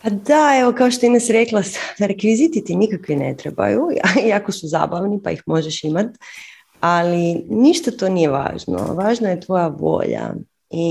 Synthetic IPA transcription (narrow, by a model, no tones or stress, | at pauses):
pad̪aeʋokaoʃt̪oinasiɾeklˠasɾekʋizit̪it̪inikakʋinḛt̪ɾeba̰juiakosuza̰ːbaʋnipa̰ixmo̞ʒeʃimat̪ | aliniʃt̪at̪o̞nijeʋa̰ːʒno̰ʋaːʒnaje̞t̪ʋo̞jaʋo̞̰ːʎa̰ | i